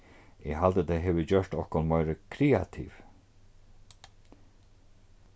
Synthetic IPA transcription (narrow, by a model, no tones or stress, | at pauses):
ɛɦald̪əd̪eɦeːʋəd͡ʑœɹ̥t̪ɔhkɔnmœʏɾəkʰɾeːa̰t̪ʰḭʋ